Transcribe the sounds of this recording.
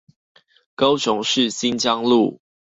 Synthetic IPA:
ko˦ʊɕʊ˨˦ŋʂɻ̩˥˨ɕi˦nt͡ɕɑ˦ŋlu˥˨

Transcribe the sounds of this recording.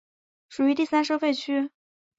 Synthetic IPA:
ʂu˨˩y˧˥t̪i˥˩sa˥nʂɤ˥fe˥˩ɪt͡ɕʰy˥

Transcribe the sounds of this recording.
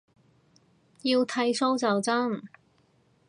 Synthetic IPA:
jiː˧wt̪ʰɐ˧˥jso˥wt͡sɐ˨wt͡sɐ˥ŋ

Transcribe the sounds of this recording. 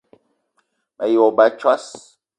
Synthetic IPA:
ma˨jɔ˨ba˦t͡ʃwa˦s

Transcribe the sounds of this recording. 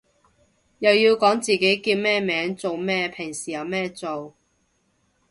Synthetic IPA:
jɐ˨wjiː˧wkɔː˨˥ŋt͡siː˨ke˨˥jkiː˧t̚mɛː˥mɛː˨˥ŋt͡so˨wmɛː˥pʰɪ˨˩ŋsiː˨˩jɐ˨wmɛː˥t͡so˨w

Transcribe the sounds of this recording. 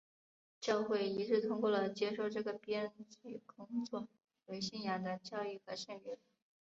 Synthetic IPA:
t͡ɕjɑ˥˧ʊxwe˥˩ɪi˧˥ʈ͡ʂɻ̩˥˩t̪ʰʊ˥ŋkwɔ˥˩lə˩t͡ɕjɛ˥ʂo˥˧ʊʈ͡ʂɤ˥˩ɡə˩pjɛ˥nt͡ɕy˨˩kʊ˥ŋt͡swɔ˥˩ | we˧˥ɪɕi˥˩nja˥˩d̪ə˧t͡ɕjɑ˥˧ʊi˥˩xɤ˧˥ɕɛ˥˩nɥɛ˧˥n

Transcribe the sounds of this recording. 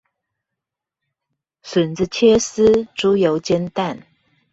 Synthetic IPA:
sə˨˩nt͡s̩˥˧t͡ɕʰjɛ˥s̩˥˦ʈ͡ʂu˦jo˨˧˦ʊt͡ɕjɛ˥nt̪a˥˨n

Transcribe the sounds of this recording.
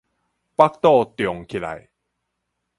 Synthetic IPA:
pa˦˥k̚t̪ɔ˥˧t̪jɔ˨˩ŋkʰi˨˩la̰˨j

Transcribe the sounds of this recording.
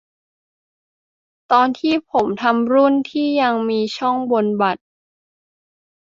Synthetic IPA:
t̪ɔː˧nt̪ʰiː˥˩pʰo˩˦mt̪ʰa˧mɾu˥˩nt̪ʰiː˥˩ja˧ŋmiː˧t͡ɕʰɔ˥˩ŋbo˧nba˨˩t̪̚

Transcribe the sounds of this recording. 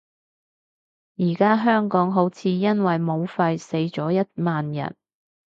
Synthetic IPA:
jiː˨˩kaː˥ɦœː˥ŋkɔː˨˥ŋɦo˨˥wt͡sʰiː˨˧jɐ˥nwɐ˨jmo˨˧wfɐ˧jse˨˧jt͡sɔː˨˥jɐ˥t̚maː˨njɐ̰˨˩n

